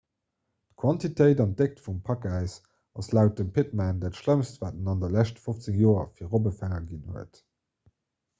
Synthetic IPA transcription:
tkʰwɑntitʰəɪdɑnt̚d̥ek̚tfumpʰɑkæɪs | ɑslæʊt̚dəmpʰɪt̚mændæːtʃləmstvaːtənɑndɐlæɕtəfoft͡səŋjoːɐ̰fiːʁobəfæŋɐɡinhuət

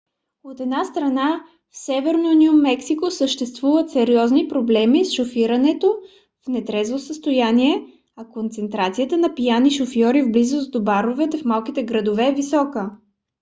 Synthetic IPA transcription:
ot̪ɛd̪nast̪ɾɐna | fsɛvɛɾnonʲiumːɛksikosəʃt̪ɛst̪vuvət̪sɛɾiɔznipɾoblɛmisʃofiɾənɛt̪o | fnɛt̪ɾɛzvosəst̪ojaniɛ | ɐkont̪sɛnt̪ɾat̪sijət̪ənɐpijaniʃofjɔɾivblizʊsd̪obaɾovɛt̪ɛfmalˠkit̪ɛɡɾəd̪ovɛːvisɔkə

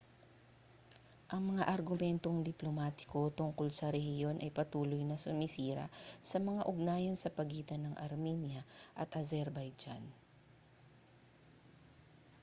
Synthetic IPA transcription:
ʔɐŋmɐŋaʔɐɾɡʊmɛnt̪oŋd̪ɪplomaːt̪ɪ̥ko̞t̪ʊŋkolsɐɾɛhɪjo̞nʔɐjpɐt̪uːlojnɐsʊmɪsiːɾɐ̰sɐmɐŋaʔʊɡ̚naːjɐnsɐpɐɡiːt̪ɐnɐŋʔɐ̰ɾminjɐʔɐt̪ʔɐzɛɾbɐjd͡ʒa̰n

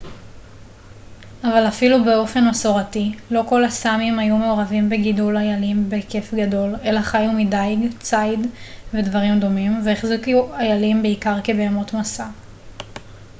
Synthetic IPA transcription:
avalafilube̞o̞fe̞naso̞ʁatilo̞ko̞lasamimajume̞o̞ʁavimbe̞ɡidulajalimbe̞ke̞fɡado̞le̞laχajumidajɡt͡sajdve̞dvaʁimdo̞mimveeχzikuajalimbeikaʁkebeːmotmasa

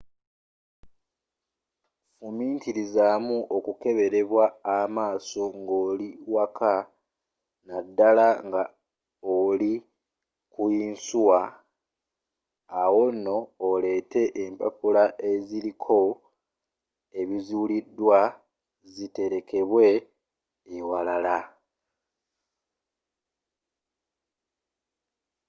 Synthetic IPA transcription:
fumiːntiɾizamuʔokuke̞βe̞ɾe̞βwaːmaːso̞ŋɡo̞ːliwakʰa | nadːalaŋɡa | oli | kuiːnsuwa | wo̞no̞ːle̞te̞ʔempapulaʔe̞ziɾikʰo̞ | e̞βizulidːwa | zite̞ɾe̞ke̞βwe̞ː | walala

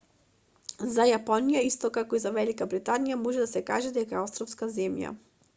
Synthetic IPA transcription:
zajapɔnijaist̪ɔkakɔizavɛlikabɾit̪anijamɔʒɛd̪asɛkaʒɛd̪ɛkaɛɔst̪ɾɔfskazɛmja̰

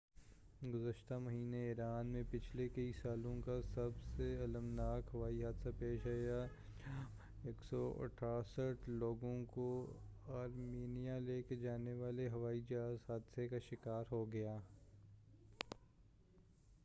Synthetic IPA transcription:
ɡʊzəʃt̪amɐɦiːneiːɾaːnmẽpɪt͡ʃʰlekɐisaːlõkasɐbseɐləmnaːkɦɐʋaːiɦaːd̪sapeːʃaːja | eːksɔɐ̰ʈʰaːsəʈʰloːɡõko | aːɾmiːnijaleːked͡ʒaːneʋaːleɦɐʋaːid͡ʒɐaːzɦaːd̪sekaʃɪkaːɾɦoɡɐjaː

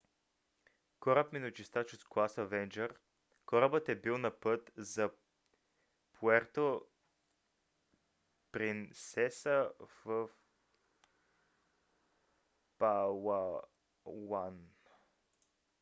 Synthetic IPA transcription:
kɔɾəpminot͡ʃist̪at͡ʃosklˠasəvɛnd͡ʒəɾ | kɔɾəbət̪ɛbilˠnɐpɤt̪zɐ | pʰuɛɾt̪o | pɾinsɛsəvəf | pawa | wan

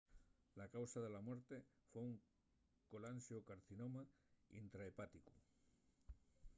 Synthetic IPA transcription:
lakawsaðelamweɾt̪efouŋ | kolansjokaɾθinomaḭnt̪ɾaepat̪iku̥

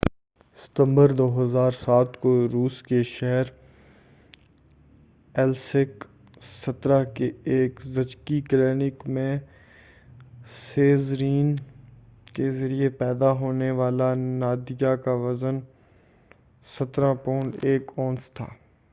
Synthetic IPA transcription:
sɪ̥t̪ə̃mbəɾd̪oːɦəzaːɾsaːt̪koɾuːskeʃɛɦɛɾ | ɛlsɪk | sɐt̪ɾakeeːkzɐd͡ʒkikleːnɪkmẽ | seːzɾiːn | kezɐɾiepɛːd̪aɦoːneʋaːlanaːd̪ɪjakaʋɐzən | sɐt̪ɾãpoːnɖeːkɔːnst̪ʰa̰ː

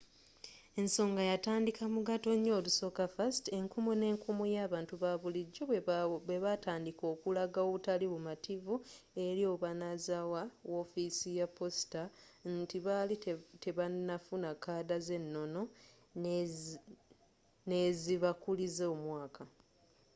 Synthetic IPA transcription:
e̞nso̞ːŋɡajataːndikamuɡato̞ɲːo̞ːluso̞kafaste̞ŋkumune̞ːŋkumujaːβaːntuβaβuliɟːo̞weβataːndiko̞ːkulaɡaoβutaliβumativue̞ɾio̞βanazawawo̞fisijapo̞si̥tantiβalite̞βanafunakaːdaze̞nːo̞no̞ | ne̞ziβakulizeomwaːkʰa

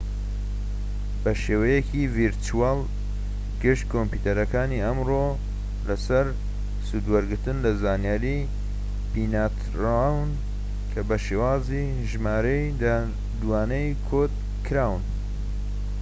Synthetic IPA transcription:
bɐʃeːwɐjɛkiviɾtʰuaːl | ɡɨʃt̪̚kʰompuːt̪ɐɾɐkaːniɐmro | lɐsɐɾ | sud̪wɐɾɡɨɾt̪ɨnlɐzaːnjaːɾi | binaːt̪ɾawɨn | kʰɐbɐʃeːwaːzi | ʒmaːɾejd̪a | d̪uwaːnɐjkʰod̪̚ | kʰɨɾaːwɨn

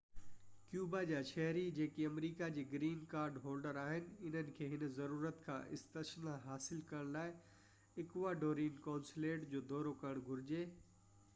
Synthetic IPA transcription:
kjuːbad͡ʑaːʃɐɦɾid͡ʑeːkiɐmɾiːkad͡ʑiːɡɾiːnkaːɾɖɦoːlɖəɾaːɦɪnɪ̆ɪn̤ənɪ̆kʰeːɦɪnzɐɾuːɾət̪kʰã̰ːʔɪ̰st̪əsnaɦaːsɪlkɐɾəɽ̃laːɪ | ɪkʋaːɖoːɾiːnkãːnsleːʈd͡ʑoːd̪ɔːɾokɐɾəɽ̃ɡʱʊɾɪd͡ʑeː

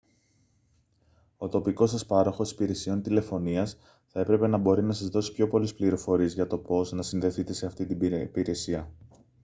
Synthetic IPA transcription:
o̞t̪o̞piko̞s̬ɐspɐɾo̞xo̞si̥piɾe̞sio̞nt̪ile̞fo̞niɐs | θɐe̞pɾe̞pe̞nɐbo̞ɾinɐsɐzðo̞si̥pço̞po̞lispliɾo̞fo̞ɾie̞zʝɐt̪o̞po̞znɐsinðe̞θit̪e̞se̞ɐft̪it̪ibpiɾe̞siɐ

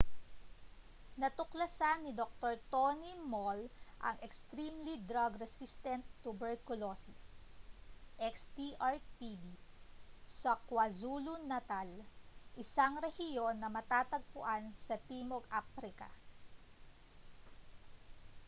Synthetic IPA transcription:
nɐt̪ʊklɐsanːɪd̪ok̚t̪oɹt̪onimolʔɐ̰ŋɛkst̪ɾimlid̪ɾaɡɾɛsist̪ɛnt̪ːʊbɛɹkʊlosɪs | ʔɛkst̪iʔaɹt̪ivi | sɐkwɐzuːlunɐt̪alʔɪsaŋɾɛhɪjo̞nːɐmɐt̪aːt̪ɐɡ̚pʊ̰ʔansɐt̪iːmoɡʔapɾɪkɐ̰

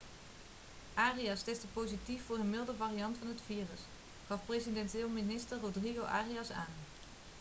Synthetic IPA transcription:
ʔaːriɑstɛstəpowzitifːʊːɹɦənmɪlˠdəvarijɑntfɑnɦətfiːrəs | χɑfprezidɛntɪːlˠminɪstərrodriɣowʔaːriɑsa̰ːn

